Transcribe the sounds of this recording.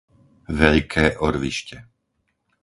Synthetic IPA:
ʋɛʎkʰɛːʔɔɾʋḭʃcɛ

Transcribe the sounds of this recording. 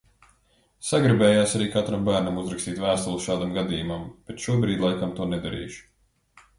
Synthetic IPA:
saɡɾibɛːjaːsaɾiːkat̪ɾambæːɾnamuzɾakst̪iːt̪væːst̪ulˠusʃaːd̪amɡad̪iːjumamb̥et̪ʃuɔbɾiːd̪ʲlˠajkamt̪uɔnɛd̪aɾḭːʃu̥

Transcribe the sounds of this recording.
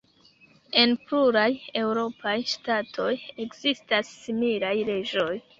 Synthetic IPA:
e̞npluɾaje̞wɾo̞pʰajstatʰo̞je̞kzistasːimilajɾe̞d͡ʒo̞j

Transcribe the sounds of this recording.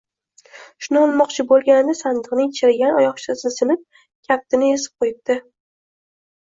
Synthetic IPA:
ʃʊnɪɒlˠmɒqt͡ʃʰɪbolˠɡʲanɪd̪ɪsand̪ɨqnɪŋt͡ʃʰɪɾɪɡʲanɒjɒχt͡ʃʰasɪnɪsɪnɪp̚ | kʲʰap̚t̪ʰɪnɪesɪ̥p̚qʰojɪt̪ːɪ

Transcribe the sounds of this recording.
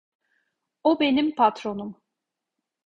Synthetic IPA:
obe̞nimpʰat̪ɾo̞num

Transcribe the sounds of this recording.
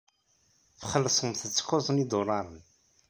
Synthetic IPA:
fχəlːsˤəmθət͡sːə̥kːozˤənid̪orˤɑɾˤən

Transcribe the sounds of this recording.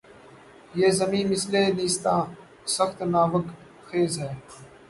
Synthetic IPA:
jeːzəmĩːmɪsleːniːst̪ãː | səxt̪naːʋək | xeːzɦɛː

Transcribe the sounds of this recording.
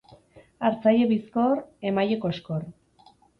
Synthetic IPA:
aɾt͡sajeβiskoɾemajekoskor

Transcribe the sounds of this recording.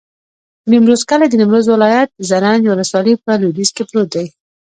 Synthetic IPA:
nɪmɾozkalad̪ənɪmɾozwɪlɑjat̪̚zanɑnwʊləswɑləpəludizkepɾot̪̚d̪aj

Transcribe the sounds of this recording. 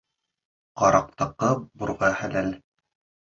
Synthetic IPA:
qɑɾɑq̚t̪ɤ̆qːɤbuɾʁɑhælæl

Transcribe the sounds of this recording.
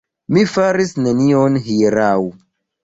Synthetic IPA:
mifaɾisnenionɦiɾaw

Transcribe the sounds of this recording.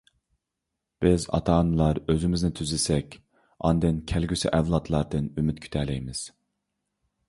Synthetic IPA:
b̥ɪzɑ̰t̪ʰɑːnɨlˠɑɾøzymɪznɪt̪ʰyzɪsɛkʲ | ɑ̰nd̪ɨnkʲʰɛlɡʲysiʔɛvlˠɑt̪ʰlˠɑɾd̪ɨnymyt̪kʲʰy̥t̪ʰɛlɛjmɪz̥

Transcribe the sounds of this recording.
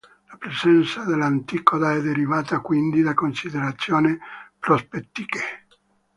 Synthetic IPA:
lapɾesɛnt̪sad̪elant̪ikod̪aɛd̪ːeɾivaːt̪akwind̪id̪akonsid̪eɾat̪sːjoːnipɾospet̪ːike

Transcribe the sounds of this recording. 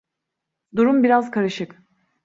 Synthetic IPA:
d̪uɾumbiɾazkʰaɾɯʃɯk

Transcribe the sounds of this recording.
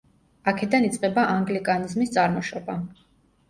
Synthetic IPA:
akʰɛd̪anit̪sʼqʼɛbaʔaŋɡlikʼanizmist̪sʼaɾmɔʃɔba

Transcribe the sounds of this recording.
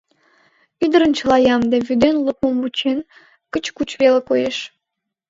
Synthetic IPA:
id̪əɾənt͡ɕə̆lˠɑjɑmd̪eβyd̪enləp̚əmut͡ɕen | kə̆t͡ɕkut͡ɕβelekojeʃ

